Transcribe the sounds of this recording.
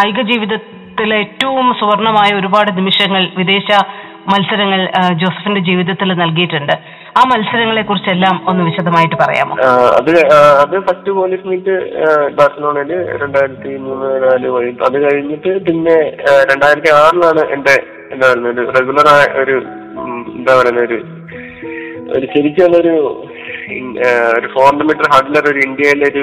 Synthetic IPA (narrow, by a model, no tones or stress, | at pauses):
ɐjɡɐd͡ʑiːʋiðɐt̪ːiletːɐʋumsuʋɐrɳɐmaːjɐo̞ɾubaːɽɨnimiʂɐŋːɐɭʋid̪e̞ːɕɐ | mɐlsɐɾɐŋːɐɭd͡ʑo̞ːsɐ̥finde̞d͡ʑiːʋiðɐt̪ːilnɐlk̬ijiʈːuɳɖɨ | aːmɐlsɐɾɐŋːɐɭe̞kːurit͡ɕːe̞lːaːmo̞nːuʋiɕɐd̪ʱɐmaːjiʈːɨpɐrɐ̰ja̰ːmo̰ɐ̰ðɨɐðɨfɐstɨpoːlismiːʈːɨb̪aːsɐnoɳelɨɾe̞ɳɖaːjiɾɐt̪ːimuːnːɨenaːluʋɐjuɐðɨkɐɻiɲːiʈːɨpinːe̞ɾe̞ɳɖaːjiɾɐt̪ːiaːrilaːɳɨʔḛɳɖe | end̪aːʋɐɾunːɐoɾureɡulɐraːʔo̞ɾu | end̪aːʋɐɾunːɐo̞ɾu | o̞̰ɾut͡ɕeɾit͡ɕːɐɳːɐoɾu | oɾufo̞ːrɳɖɐmiʈːɐrɦɐrɖlɐro̞ɾuiɳɖijɐileoɾu